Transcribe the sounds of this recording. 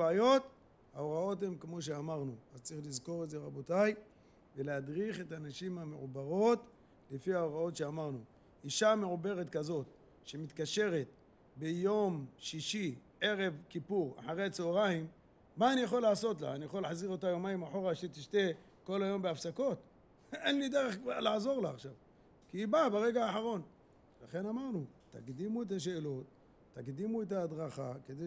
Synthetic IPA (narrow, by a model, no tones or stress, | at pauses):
ajo̞t̪ | haoʁao̞the̞mkmo̞ʃ̬e̞amaʁnuazt͡sʁiχlizko̞ʁetzeʁabo̞taj | velehadʁiχe̞tanaʃimhameʕubaʁo̞t̪ | lefiaoʁao̞t̪ʃe̞amaʁnu | iʃame̞ʕube̞ʁet̪kazo̞t̪̚ | ʃe̞mit̪kaʃe̞ʁe̞t̪̚ | bejo̞mʃiʃiʕe̞ʁe̞vkipuʁa̰ħaʁeat͡seoʁaim | maːnijaχo̞laʕaso̞t̪̬la̰anijaχolːaħaziʁo̞t̪ajo̞majimaħo̞ʁaʃet̪iʃt̪e̞ | ko̞lajo̞mbeafsako̞t̪ | enlid̪eʁeχalaʕazo̞ʁlaaχʃav | kiːbabeʁe̞ɡaːħaʁo̞n | laχe̞namaʁnut̪aɡd̪imuet̪̬aʃ̬e̞ːlo̞t̪ː | aɡd̪imuet̪̬aːd̪ʁaχaked̪e